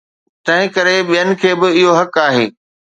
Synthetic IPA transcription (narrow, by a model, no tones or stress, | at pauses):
t̪ɐ̃ɦɪ̃kɐɾeɓijənɪ̆kʰeːbɪɪɦoɦɐkaːɦḛː